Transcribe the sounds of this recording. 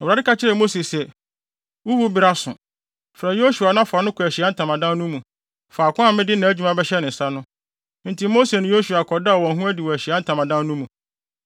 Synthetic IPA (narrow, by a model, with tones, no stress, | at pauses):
ɾa˨dɪ˦ka˦t͡ɕʰɪ˦ɾɛ˨mo˦se˨sɛ˨ | wu˦wu˦bɪ˦ɾa˦sʊ̃˨ | fɾa˨jo˦su˨a˨nã˦fʊ˨a˨nʊ̃˦kʰʊ˨æ˨ɕi˨a˦n̩˦tʰã˨mã˨dã˦nnʊ̃˦mũ˨ | fa˨kʰʊ̃˦a˦˨mɪ̃˦dɪ˦nã˨æ˦d͡ʑᶣu˨˦mã˦bɛ˦ɕɛ˦nɪ̃˨n̩˨sa˦nʊ̃˦ | n̩˦tʰi˨˦mo˦se˨nʊ̃˨˦jo˦su˨a˨kʰɔ˨da˦˨wɔ̃˨ɦũ˦æ˦di˨wɔ˨æ˨ɕi˨a˦n̩˦tʰã˨mã˨dã˦n˦nũ˦mũ˨